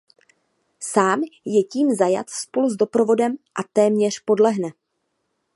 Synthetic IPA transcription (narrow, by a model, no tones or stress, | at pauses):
saːmjɛciːmzaja̰t̪spo̞luzdo̞pɾo̞vo̞dɛmʔat̪ɛːmɲɛr̝po̞dlɛɦnɛ